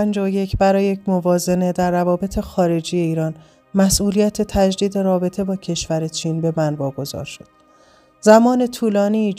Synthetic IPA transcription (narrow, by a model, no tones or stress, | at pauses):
pænd͡ʒɒoje̞cʰbæɾɒːjejecʰmovɒːze̞ne̞d̪æɾːævɒːbe̞t̪ʰe̞xɒːɾe̞d͡ʒiːje̞iːɾɒːn | mæsʔuːlijæt̪ʰe̞t̪ʰæd͡ʒd̪iːd̪e̞ɾɒːbe̞t̪ʰe̞bɒːcʰe̞ʃvæɾe̞t͡ʃʰiːnbe̞mænvɒːɡo̞zɒ̰ːɾʃo̞d̪̥ | zæmɒːne̞t̪ʰuːlɒːniː